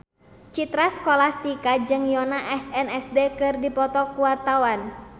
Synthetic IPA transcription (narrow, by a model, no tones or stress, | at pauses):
t͡ʃit̪ɾaskɔlast̪ikad͡ʒɨŋjɔnaʔɛsɛnɛsdekɨrdipɔt̪ɔkuwart̪awan